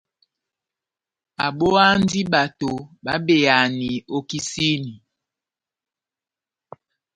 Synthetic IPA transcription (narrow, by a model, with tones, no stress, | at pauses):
a˨ɓo˦a˦n˦di˦ɓa˨to˨ɓa˨˦be˨a˨ni˨o˦ki˦si˦ni˨